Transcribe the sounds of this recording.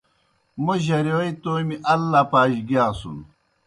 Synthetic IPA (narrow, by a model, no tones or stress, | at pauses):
moʑɐɾewɐit̪oːjmiʔɐlːapaːʑɡiaːsṵn